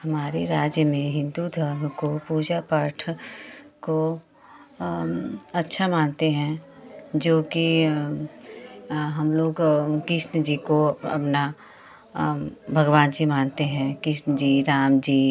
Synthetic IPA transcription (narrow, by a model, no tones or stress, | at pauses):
hɐmaːɾeɾaːd͡ʒjəmẽɦɪ̃nd̪ud̪ʱəɾmkopuːd͡ʒapaːɾʈʰ | ko | ɐtːʃʰamaːnt̪eɦɛ̃d͡ʒoːki | ɦɐmloːɡkɪʃnd͡ʒiːkoɐ̰pna | bʱɐɡʋaːnd͡ʒimaːnt̪eɦɛ̃kɪʃnd͡ʒiːɾaːmd͡ʒiː